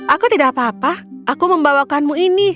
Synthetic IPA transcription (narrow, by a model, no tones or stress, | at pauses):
ʔakut̪idaʔapaːpaʔakuməmbawakanmuini